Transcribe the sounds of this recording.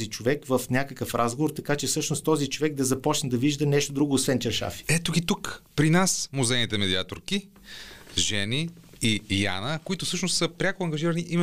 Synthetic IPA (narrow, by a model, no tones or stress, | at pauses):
zit͡ʃovɛkvəfnʲakəkəfɾʔazɡovoɾt̪ɐkat͡ʃɛfsɤʃnost̪ɔzit͡ʃovɛɡ̚d̪ɐzɐpɔt͡ʃnəd̪ɐviʒd̪ənɛʃt̪od̪ɾuɡoːsvɛnt͡ʃɐɾʃa̰fi̥ɛt̪oɡit̪ukpɾinasmozɛnit̪ɛmɛd̪iat̪oɾki | ʒɛni | ija̰nəkoit̪ʊfsɤʃnost̪ːsəpɾʲakʊɐŋɡɐʒiɾəniʔimɛ